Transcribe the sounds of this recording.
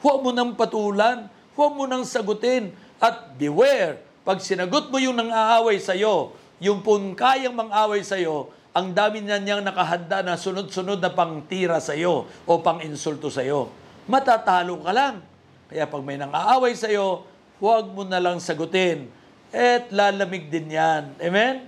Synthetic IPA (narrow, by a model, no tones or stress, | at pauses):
hwaɡ̚mʊnɐŋpɐt̪uːlan | waɡ̚mʊnɐŋsɐɡʊt̪ɪn | ʔɐt̪̚bɪwɛɾ | pɐɡ̚sɪnɐɡot̪̚mojʊŋnɐŋaʔaːwɐjsɐjo̞ | jʊŋpʊnkaːjɐŋmɐŋʔaːwɐjsɐjo̞ | ʔɐŋd̪aːmɪɲanaŋnɐkɐɦɐnd̪anɐsʊno̞d̪̚sʊno̞d̪̚nɐpɐŋt̪iːɾɐsɐjo̞ʔopɐŋɪnsult̪osɐjo̞mɐt̪at̪aːlokɐlaŋ | kɐjapɐɡ̚mɐjnɐŋa̰ʔaːwɐjsɐjo̞ | waɡ̚monɐlaŋsɐɡʊt̪ɪn | ɛt̪̚lalɐmɪɡ̚d̪ɪnjanɛmɛn